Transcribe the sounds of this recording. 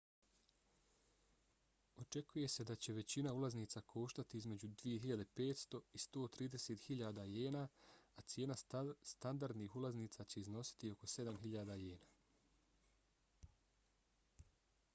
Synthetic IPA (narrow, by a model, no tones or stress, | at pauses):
o̞t͡ʃe̞kuje̞se̞d̪at͡ɕe̞ʋe̞t͡ɕinaulˠazniːt̪sakʰo̞ːʃt̪at̪iizme̞d͡ʑud̪ʋije̞ɦiʎad̪e̞pe̞ːt̪st̪o̞ist̪o̞ːt̪ɾiːd̪e̞seːt̪hiʎaːd̪ajeːnaːt̪sje̞ːnast̪and̪aɾd̪niːxulˠazniːt̪sat͡ɕe̞izno̞si̥t̪io̞ko̞se̞d̪amɦiʎaːd̪ajeːnaː